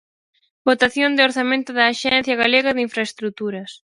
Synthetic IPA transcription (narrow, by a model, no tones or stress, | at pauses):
bot̪aθjond̪ɪoɾθamẽnt̪ʊðɐːʃɛnθjɐɣaleɣɐðɪiɱfɾaest̪ɾut̪uɾɐs